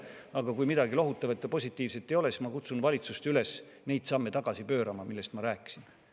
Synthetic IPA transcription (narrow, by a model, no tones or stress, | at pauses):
ɑɡ̥ɑkujmid̪ɑɡilo̞ɦut̪ːˑɑvɑt̪ːjɑpo̞sʲit̪ːˑiːvset̪ːˑejo̞lesi̥smɑkut̪sunvɑlʲit̪sust̪yle̞s | ne̞jd̪̥sɑmːe̞t̪ɑɡ̥ɑsipø̞ːɾɑmɑmilːe̞st̪mɑɾæːkːˑi̥sin